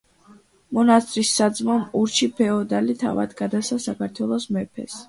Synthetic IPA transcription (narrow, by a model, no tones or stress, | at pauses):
mɔnast̪ʼɾisːad̪zmamuɾt͡ʃʰipʰɛɔd̪alit̪ʰa̰va̰d̪ɡad̪asasakʰaɾt̪ʰwɛlˠɔsmɛpʰɛ̰s